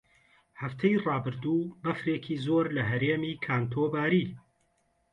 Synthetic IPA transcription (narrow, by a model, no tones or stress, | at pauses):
hɐft̪ʰɛjrɑːbɨɾd̪uːbɐfɾeːkʰiːzoːɾlɐɦɐɾeːmiːkʰaːnt̪ʰoːbaːɾiː